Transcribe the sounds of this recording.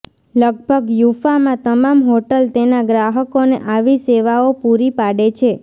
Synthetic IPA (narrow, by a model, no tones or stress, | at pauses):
ləɡ̚bʱəɡjufamãt̪əmamɦoʈəlt̪enaɡɾaɦəkonḛʔaʋiseʋaopuɾipaɽet͡ʃʰe